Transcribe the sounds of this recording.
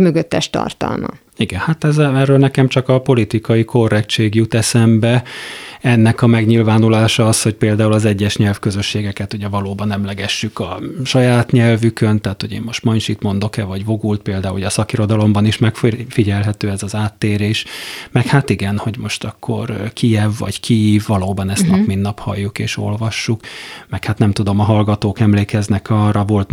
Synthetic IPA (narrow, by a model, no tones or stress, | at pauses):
myɡøt̪ːɛʃt̪ɒ̰rt̪ɒ̰lmɒ̰ | iɡɛnhat̪ɛzɛɛrøːlnɛkɛmt͡ʃɒkɒpo̞lit̪ikɒiko̞rːɛkt͡ʃeːɡjut̪ɛsɛmbɛ | ɛnːɛkɒmɛɡɲilvaːnulaːʃɒɒsho̞c̚peːld̪aːulɒzɛɟːɛʃɲɛlfkøzø̞ʃːeːɡɛkɛt̪uɟɛvɒloːbɒnɛmlɛɡɛʃːykɒʃɒjaːt̪ɲɛlvykønt̪aːt̪ho̞ɟḛːmmo̞ʃt̪mɒɲʃit̪mo̞nd̪o̞kɛvɒɟvo̞ɡult̪̚peːld̪aːuljɒsɒkiɾo̞d̪ɒlo̞mbɒniʃmɛkffiɟɛlɦɛt̪øːɛzɒzaːt̪ːeːɾeːʃmɛkhat̪iɡɛnho̞ɟmo̞ʃt̪ɒkʰːo̞̰rkijɛvːɒ̰ɟkʰiiːvːɒloːbɒnɛst̪nɒkminːɒphɒ̰jːukḛːʃo̞̰lvɒʃːukmɛkhat̪nɛmt̪ud̪o̞mɒɦɒlɡɒt̪oːkɛmleːkɛznɛkɒrɒvo̞lt̪